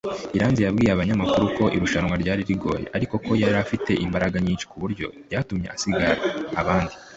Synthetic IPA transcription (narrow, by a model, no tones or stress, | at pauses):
iɾaːnzijabɡiːjeaβaɲamakuɾuko̞ʔiɾuʃanŋwaɾɟaːɾiɾiɡo̞̰ːje̞̰ʔaɾiko̞ko̞jaɾafite̞ʔimbaɾaɡaɲiːnʃi̥kuβuɾɟo̞ɾɟaːtumɲe̞̰ʔasiɡaɾeaβaːndi